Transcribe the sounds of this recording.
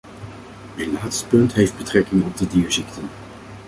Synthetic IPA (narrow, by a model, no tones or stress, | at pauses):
əlaːtstpɵntɦejfd̚bətrɛkɪŋɔb̚dədiːɹzɪktʰən